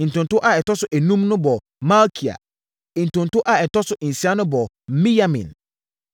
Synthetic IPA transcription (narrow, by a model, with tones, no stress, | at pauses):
n̩˨tʊ̃˨n˨tʊ˦ʔa˨ɛ˨tɔ˦sʊ˦ʔæ˨nũ˦mnʊ̃˦bɔ˨ | mã˦lkʰi˨a̰˨ | n̩˨tʊ̃˨n˨tʊ˦ʔa˨ɛ˨tɔ˦sʊ˦ʔn̩˨si˦a˦nʊ̃˦bɔ˨˦ | mĩ˦ja˦mḭ̃˨n